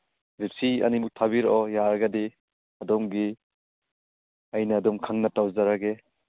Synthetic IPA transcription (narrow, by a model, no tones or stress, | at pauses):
ɾipsʰiɐ̰nimuk̚tʰabiɾɔjaɾɐɡɐdi | ɐdɔmɡi | ɐjnɐːdɔmkʰaŋnɐtawzaɾaɡe